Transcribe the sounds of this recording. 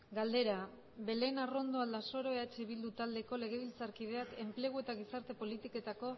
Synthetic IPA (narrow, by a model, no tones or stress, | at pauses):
ɡald̪e̞ɾa | be̞le̞narond̪o̞ald̪aso̞ɾo̞eat͡ʃeiβild̪ut̪ald̪e̞ko̞le̞ɣe̞βilt͡saɾkið̞e̞ake̞mple̞ɣ̞ue̞t̪aɣisaɾt̪e̞po̞lit̪ike̞t̪ako̞